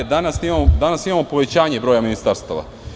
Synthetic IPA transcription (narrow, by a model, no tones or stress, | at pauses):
ed̪anasnimamod̪anasimamo̞po̞ʋe̞t͡ɕaːɲebɾo̞ːjaminist̪aɾst̪aʋa̰